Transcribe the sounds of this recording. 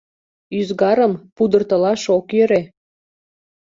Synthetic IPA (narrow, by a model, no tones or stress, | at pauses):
yzɣɑɾəmpud̪ərt̪ə̆lɑʃokjøɾe